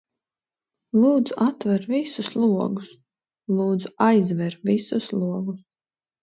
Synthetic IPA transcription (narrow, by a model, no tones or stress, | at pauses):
lˠuːd̪zuʔat̪vɛɾvisuslˠuɔɡus | lˠuːd̪zuajzvɛɾvʲisuslˠuɔɡus